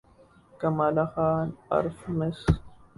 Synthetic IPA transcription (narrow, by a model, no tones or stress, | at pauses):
kɐmalaxaːna̰ɾfmes